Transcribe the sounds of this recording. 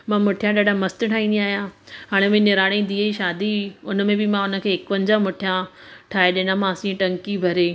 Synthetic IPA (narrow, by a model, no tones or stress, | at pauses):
mãmʊʈʰijãɗaːɖʱamɐst̪ʈʰaːĩnd̪iaːɦijãɦaːɽ̃ẽmẽnɪɾaːɽ̃ĩd̪iːiʃaːd̪iʊnə̆mẽbɪmãʊnə̆kʰeːɪkpɐ̃ɲd͡ʑamʊʈʰijã | ʈʰaːeɗɪnãmãsĩʈɐ̃ŋkibʱɐɾeː